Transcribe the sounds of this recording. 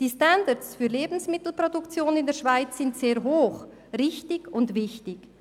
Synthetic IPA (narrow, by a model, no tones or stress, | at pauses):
d̥iːstandət͡sfyːɐleːbn̩smɪtl̩produkt͡sjoːnɪndɛːʃv̥aɪt͡sːɪntseːɾɦoːχ | rɪçtɪɡʊntvɪçtɪk